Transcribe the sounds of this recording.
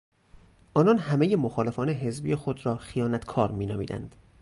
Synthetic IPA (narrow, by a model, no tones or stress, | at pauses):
ʔɒːnɒːnhæme̞je̞moxɒːle̞fɒːne̞ɦe̞zbiːjexod̪ɾɒːxijɒːnæt̪ʰkʰɒːɾmiːnɒ̰ːmiːd̪æ̰nd̪̥